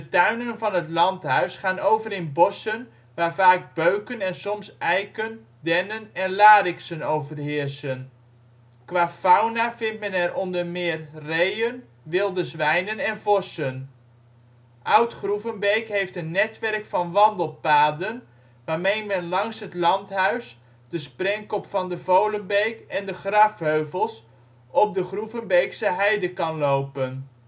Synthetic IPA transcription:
dətœɥnənvɑnɦətlɑntɦœɥsχaːnowvəɾɪnbɔsən | ʋaːrvaːɡ̚bøɥkənɛnsɔmsʔɛjkən | dɛnənɛnlaːɾɪksənowvərɦɪrsən | kʋaːfawnavɪntmɛnɛɾʔɔndərmɪːrrejən | ʋɪlˠdəzʋɛjnənɛnvɔsən | ʔʌwtχruvənbejkɦejftənːɛtʋɛrkfɑnʋɑndəlˠpaːdən | ʋaːɹmejmɛnlɑŋsɦətlɑntɦœɥs | dəsprɛŋkɔpfɑndəvowlənbejkɛndəχrɑfɦøɥvəlˠs | ɔp̚dəχruvənbejksəɦɛjdəkɑnlowpən

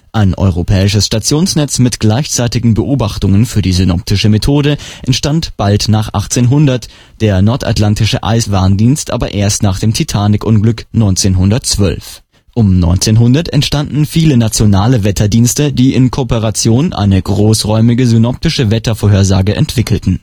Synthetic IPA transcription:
ʔaɪnʔɔ̰ʏʁopʰɛːɪʃəsʃtat͡sjoːnsnɛt͡smɪtɡ̥laɪçt͡saɪtɪɡŋ̩bəʔoːbaχtʊŋənfyːɐdiːzynɔ̰p̚tʰɪʃəmetʰoːdəʔɛntʃtantb̥altnaːχʔa̰χt͡seːnɦʊndɐt | d̥eːɐnɔɐta̰tlantɪʃəʔa̰ɪsv̥aːɐndiːnstʔa̰ːbɐʔeːɐstnaːχd̥eːmtʰitʰaːnɪkʔʊnɡlʏknɔʏnt͡seːnɦʊndɐtt͡sv̥œ̰lf | ʔʊmnɔ̰ʏnt͡seːnɦʊndɐtɛ̰ntʃtandn̩fiːlənat͡sjonaːləvɛtʰɐdiːnstədiːʔɪnkʰoːpəʁat͡sjoːnʔa̰ɪnəɡʁoːsʁɔʏmɪɡəzynɔp̚tɪʃəvɛtɐfoːɦeːɐzaːɡəʔɛ̰ntv̥ɪkl̩tn̩

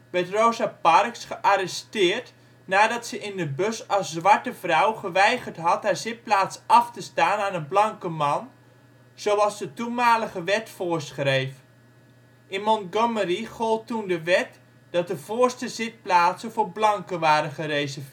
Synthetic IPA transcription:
ʋɛɹtroːzapɑrksχəʔaɾəstɪːrt | naːdɑtsəʔɪndəbøsɑsːʋɑɹtəvrɔwχəʋɛjχərtɦɑtɦaɹzɪt̚plaːtsʔɑftəstaːnaːnənblɑŋkəmɑn | z̥owɑlˠsdətumaːləɣəʋɛtfʊːɹsχrejf | ʔɪnmɔnɡɔməriχolˠtːundəʋɛt | d̥ɑt̚dəv̥oːrstəzɪt̚plaːtsəvoːɹblɑŋkəʋaːɾəχərejzə

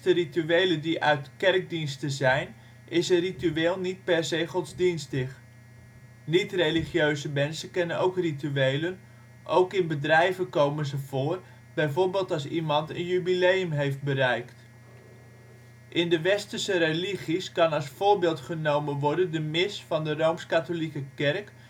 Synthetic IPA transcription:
tərityejlədiʔœ̰ɥtkɛrɡ̚dinstəzɛjn | ʔɪsənrityeːlˠnit̚pɛɹzejχɔtzdinstɪχ | nitrejliχjøɥzəmɛnsənkɛnənowkrityejlən | ʔowkɪnbədrɛjvəkowmənzəv̥ʊːr | b̥ɛjvoːɹbeːlˠtɑlˠs̬imɑntə̰njybilejəmɦejft̚bərɛjkt | ʔɪndəʋɛstərsəɾeliχiskɑnɑlˠsfʊːɹbɪːlˠtχənowmənʋɔɹdəndəmɪsfɑndərowmskatolikəkɛrk

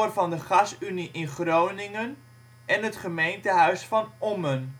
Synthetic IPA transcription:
rvɑndəχɑsyniʔɪnχrownɪŋən | ɛnɦətχəmejntəɦœɥsfɑnɔmən

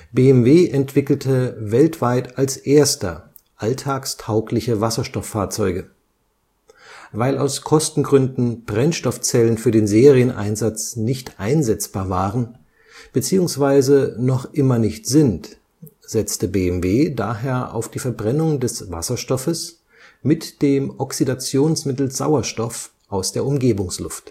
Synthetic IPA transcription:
beːɛmveːʔɛntv̥ɪkl̩tʰəvɛltv̥aɪtalsʔeːɐstɐ̰ | ʔaltʰaːkstʰaʊklɪçəvasɐʃtɔfːaːɐt͡sɔʏɡə | vaɪla̰ʊskʰɔstn̩ɡʁʏndn̩b̥ʁɛnʃtɔft͡sɛlənfyːɐdeːnzeːʁiənʔa̰ɪnzat͡snɪçtʔaɪnzɛt͡sb̥aːɐvaːʁən | b̥ət͡siːʊŋsv̥aɪzənɔχʔɪmɐnɪçtz̥ɪnt | z̥ɛt͡stəbeːɛmveːdaːɦeːɐʔa̰ʊfd̥iːfɛɐbʁɛnʊŋdɛsva̰sɐʃtɔfəs | mɪtd̥eːmʔɔksidat͡sjoːnsmɪtl̩z̥a̰ʊɐʃtɔf | ʔaʊsd̥eːɐʊmɡeːbʊŋslʊ̰ft

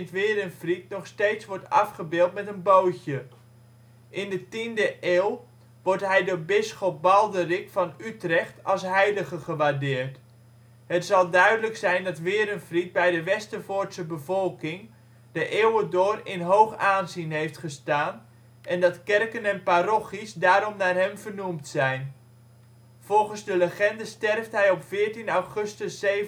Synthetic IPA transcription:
tʋɪːɾənfritnɔχsteːtsʋɔɹtɑ̰fχəbɪːlˠtmɛtənbowçə | ʔɪndətindəʔeːlˠ | ʋɔɹtɦɛjdʊːɹbɪsχɔp̚bɑlˠdərɪkfɑnytrɛχtɑlˠsɦɛjləɣəχəʋardɪːrt | hətsɑlˠdœɥdələksɛjndɑtʋɪːɾənfrit̚bɛjdəʋɛstəvʊtsəbəvɔlˠkɪŋ | d̥əʔewədʊːrɪnɦowχaːnzinɦejftχəstaːn | ʔɛndɑtkɛrkənɛnparɔχisdaːɾɔmnaːrɦɛmvərnumtsɛjn | v̥ɔlˠχənzdələχɛndəstɛrftɦɛjɔpfɪːɹtinawχɵstəse

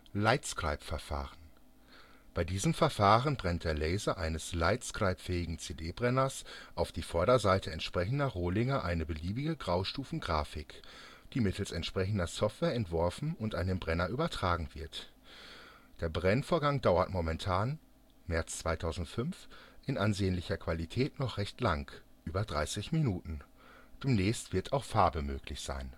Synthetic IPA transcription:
laɪtskʁ̥a̰ɪpfɛɐfa̰ːʁən | b̥aɪdiːzəmfɛɐfaːʁənbʁɛnt̚d̥eːɐlɛɪzɐʔaɪnəslaɪtskʁ̥aɪpfɛːɪɡŋ̩t͡seːdeːbʁɛnɐsʔaʊfd̥iːfɔɐɾɐzaɪtʰəɛntʃpʁ̥ɛçn̩dɐʁoːlɪŋɐʔaɪnəbəliːbɪɡəɡʁaʊʃtuːfn̩ɡʁaːfɪk | d̥iːmɪtʰl̩sɛntʃpʁ̥ɛçn̩dɐsɔftv̥ɛːɐɛntv̥ɔɐfn̩ʊntʔaɪnənbʁɛnɐʔyːbɐtʁ̥aːɡŋ̩v̥ɪɐt | d̥eːɐbʁɛnfoːɐɡaŋdaʊɐtmɔmɛntʰaːn | mɛɐt͡st͡sv̥aɪtʰaʊzn̩tfʏnfʔɪnʔanzeːənlɪçɐkv̥alitʰɛːtnɔχʁ̥ɛçtlaŋk | ʔyːbɐdʁa̰ɪsɪçminuːtn̩ | d̥eːmnɛːçstv̥ɪɐtʰaʊxfaɐbəmøːklɪçz̥a̰ɪn

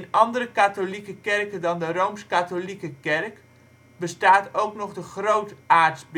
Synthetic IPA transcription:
nɑndəɾəkatolikəkɛrkədɑndərowmskatolikəkɛrk | bəstaːtowknɔχdəχrowtaːɹtzb

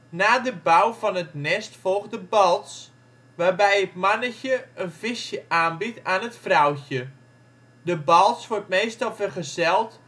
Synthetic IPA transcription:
naːdəbawvɔnətnɛstfɔlˠɣdəbɔlˠts | ʋaːrbɛjətmanəçəənfɪsjəʔaːnbitaːnətfrawçə | dəbɔlˠtsʋɔrt̚meːstɔlˠfərχəzɛlˠt

